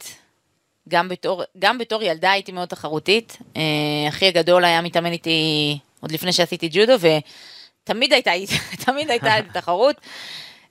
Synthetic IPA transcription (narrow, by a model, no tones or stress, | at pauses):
ɡambeto̞ʁɡambeto̞ʁjaldaːjitimeo̞d̚t̪aχaʁut̪iteaχiaɡado̞lajamit̪amenit̪iʔo̞d̪lifne̞jʃeasitid͡ʒudove̞tamid̪ajtaittʰamidajtaetataχaʁut